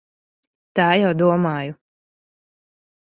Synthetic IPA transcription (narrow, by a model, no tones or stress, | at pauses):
t̪aːjawd̪uɔmaːju